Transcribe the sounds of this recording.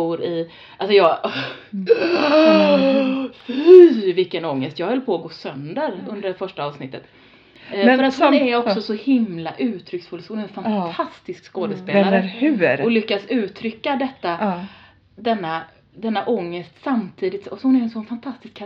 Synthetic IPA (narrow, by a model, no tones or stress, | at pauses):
uːɾɪ | ʔalsɔjɑː | fvɪkːənɔŋːəst̪jɑːɡvɪlpʰoːɡoːsœnd̪əɾɵnd̪əɖfœʂʈaɑːvsnɪt̪ːət̪ | fœɾat̪hʊnɛɾɔkssɔsɔhɪmlaʔʉ̟ːt̪ʰɾʏksfɵlshʊnɛɛnfant̪ʰast̪ɪskskoːd̪əspeːlaɾəʉɾɔlʏkːasʉ̟ːt̪ʰɾʏkːad̪ɛt̪ːa | d̪ɛnːa | d̪ɛnːaʔɔŋːəst̪samt̪ʰiːd̪ɪt̪sɔhʊnɛɾɛnsɔnfant̪ʰast̪ɪskʰː